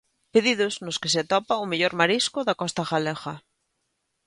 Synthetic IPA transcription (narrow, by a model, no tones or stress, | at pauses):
peðið̞ʊznʊskeseat̪ɔpaomeʎoɾmaɾiskoðakɔst̪axalexa